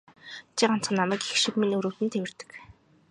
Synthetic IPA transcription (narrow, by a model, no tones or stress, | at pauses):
t͡ɕʰiɢan̥t͡sχə̆nːamæːkexʃĭkminɵɾuːt̪ɘ̆nt̪ʰewɘ̆r̥t̪ɘ̥̆k